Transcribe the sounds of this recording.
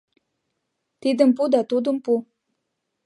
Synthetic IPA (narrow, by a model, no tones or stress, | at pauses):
t̪id̪əmpud̪at̪ud̪əmpu